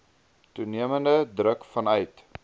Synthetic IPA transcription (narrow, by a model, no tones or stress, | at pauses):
tuniəməndədrəkfɐnœɥt